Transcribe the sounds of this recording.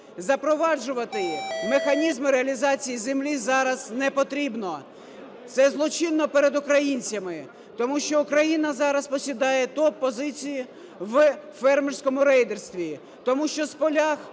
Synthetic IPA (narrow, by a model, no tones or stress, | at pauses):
zɐpɾɔʋɑd͡ʒʊʋɐt̪ɪmexɐnʲizmɪɾeɐlʲizɑt͡sʲijizemlʲizɑɾɐznɛpɔt̪ɾʲibnɔ | t̪sɛzlˠɔt͡ʃɪnːɔpeɾed̪ʊkɾɐjinʲt͡sʲɐmɪ | t̪ɔmuʃt͡ʃɔʊkɾɐjinɐzɑɾɐspɔsʲid̪ɑjɛt̪ɔpːɔzɪt͡sʲijʊ | ʋfɛrmɪrsʲkɔmʊɾɛjd̪erst̪ʋʲi | t̪ɔmuʃt͡ʃɔspɔlʲax